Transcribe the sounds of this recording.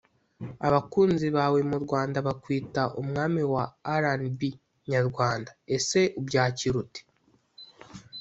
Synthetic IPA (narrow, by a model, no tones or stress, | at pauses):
aβakuːnziβawemuɾɡwaːndaβakwiːtaʔumŋaːmiwaːɾanbi | ɲaɾɡwaːndae̞se̞ubjaːciɾute̥